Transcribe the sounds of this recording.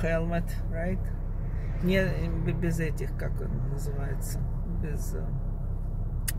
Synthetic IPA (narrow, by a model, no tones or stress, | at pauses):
xɛlˠmət̪ | ɹaɪt̪ | nʲe | bʲɪzɛtʲɪxkako̰nnːəzɨvajɪt̪sə | bʲɪz